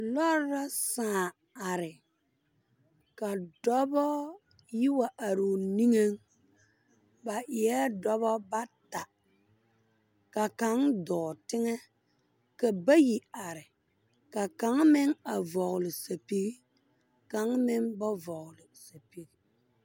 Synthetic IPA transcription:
lɔ˦a˦sãː˨ | a˨ɾɪ˨ | ka˨dɔ˦bɔ˦ | ji˦wa˨ʔa˨ɾo˨ni˦ŋe˦ŋ | ba˨ʔɪ˨ɛ˦dɔ˦βɔ˦ba˦ta˨ | ka˨ka˨˦ŋdɔː˨tɪ˦ŋɛ˦ | ka˨ba˦ji˨a˨ɾɪ˨ | ka˨ka˨˦ŋmɪ˦ŋa˨vɔ˨ɣlɪ˨sa˨pi˦ɣi˦ | ka˨˦ŋmɪ˦ŋba˦vɔ˨ɣlɪ˨sa˨pi˦ɡi˦

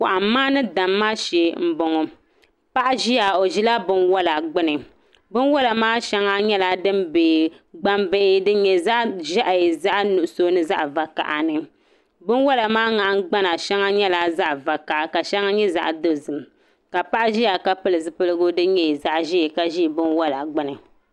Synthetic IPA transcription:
kʊ˨ʔa˨m˦mːaː˦nɨ˦da˨mːaː˦ʃɛ˨˦m̩˦bo˨ŋɔ˨ | pa˦ʔʒi˦ja˨o˨ʒi˦la˦bɨ˦nwɔ˦la˨ɡ͡bɨ˦nɨ˨ | bɨ˦nwɔ˦la˨maː˦ʃɛ˦ŋa˦ɲɛ˦la˨dɨ˦mbeː˨ | ɡ͡ba˦mbe˦ʔɪ˦dɨ˦ɲɛ˨za˦ʔʒa˦ʔza˦ʔnu˨ʔʊ˨so˦nɨ˦za̰˦ʔva˨ka̰˨ʔa˨nɨ˨ | bɨ˦nwɔ˦la˨maː˦ŋa˨ʔɡ͡ba˦na˨ʃɛ˦ŋa˦ɲɛ˦la˦za˦ʔva˨ka˨ʔa˨ka˨ʃɛ˦ŋa˦ɲɛ˦za̰˨ʔdo˦zɨ˨m˨ | ka˨pa˦ʔʒi˦ja˨ka˦pɨ˦lɨ˨zɨ˨pɨ˦lɨ˦ɡʊ˦dɨ˦ɲɛ˦˨i˨za˦ʔʒi˦˨ka˨ʒi˦˨bɨ˦nwɔ˦la˨ɡ͡bɨ˦nɨ˨

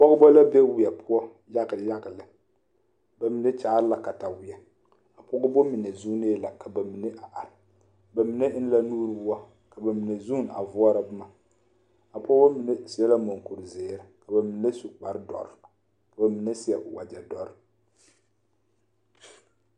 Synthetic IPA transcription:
pɔ˦ɡʊ˦bɔ˦la˦be˦wɪ˨jɛ˨pʰʊ˦ɔ˦ | ja˦ɣja˦ɣɨ˨lɨ˨ | ba˨mi˨nɛ˦t͡ʃaː˨˦ɾla˨ka˨ta˨wɪ˨ɛ˨ | a˨pʊ˦ɡʊ˦bo˦mi˨nɛ˨zu˦ne˦la˨ka˨ba˨mi˨ne˦ʔa˨ʔa˨ɾɪ˨ | ba˨mi˨nɛ˦n˦la˦nuː˦ɾɨ˦bu˦a˦ | ka˨ba˨mi˨nɛ˨zu˦n˨a̰˨vʊ˦ɔ˦ɾa˦bɨ˦ma˨ | a˨pɔ˦o˦mi˨nɛ˦si˦ɛ˦la˦mo˨ŋ˨ku˨ɾɨ˨zeː˨ɾɨ˨ka˨ba˨mi˨ne˦su˨k͡pa˨ɾɨ˦dɔ̰˨ɾɨ˨ | ka˨ba˨mi˨nɛ˦si˦ɛ˨ʔwa˨d͡ʒɛ˨dɔ˨ɾɨ˨

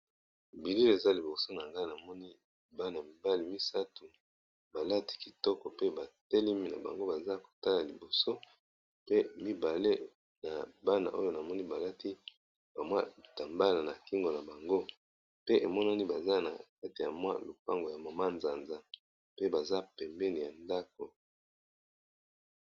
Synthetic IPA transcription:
bi˨li˦le˨za˦li˨bo˨so˦na˨ŋɡa˦˨na˨mɔ˦ni˦ | ba˦na˨mi˨ba˦li˨mi˦sa˦tu˨ | ba˨la˦ti̥˦ki̥˨tɔ˦kɔ˨pe˦ba˨te˦li˦mi˦na̰˨ba̰˨ŋɡo˦ba˨za˦ko̥˨ta˦la˨li˨bo˨so˦ | pe˦mi˦ba˨le˦ | na˨ba˦na̰˨ʔo˦jo˦na˨mɔ˦ni˦ba˨la˦ti˦ | ba˨mwa˦˨ta˨mba˦la˨na˨ki˦ŋɡo˨na˨ba˨ŋɡo˦ | pe˦ʔe˨mɔ˦na˦ni˦ba˨za˦na̰˨ka˦ti˨ja˨mwa̰˦lo˨pa˦ŋɡo˨ja˨ma˨ma˦nza˨nza˨ | pe˦ba˨za˦pɛ˨mbɛ˦ni˨ja˨nda˦k̚o˨

